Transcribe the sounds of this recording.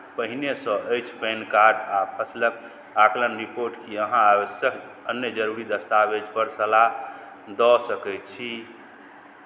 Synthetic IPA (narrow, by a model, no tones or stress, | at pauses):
pəɦinesə̃ʔəjt͡ʃʰpɛnkaɾɖapʰəslək | aklənɾipoɾʈkiəɦãaβəsjək | ənjəd͡ʒəɾuɾid̪əst̪abed͡ʒpəɾsəla | d̪ɔsəkɛjt̪t͡ʃʰi